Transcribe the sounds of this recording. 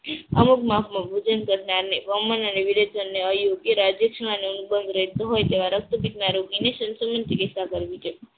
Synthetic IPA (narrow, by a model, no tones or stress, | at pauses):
əmukmafʰmãbʱud͡ʒənkəɾnaɾneʋəmənəneʋiled͡ʒənːeəjoɡjəɾad͡ʒjəkʃəɭ̃aneunubənd̪ʱɾəɦet̪oɦojt̪eʋaɾək̚t̪ubit̪̚naɾoɡineʃənsəmənt̪ikesakəɾʋit͡ʃʰe